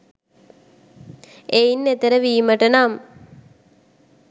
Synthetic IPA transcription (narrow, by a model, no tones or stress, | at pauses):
eːinːet̪ɐɾɐʋiːmɐʈːɐnaːm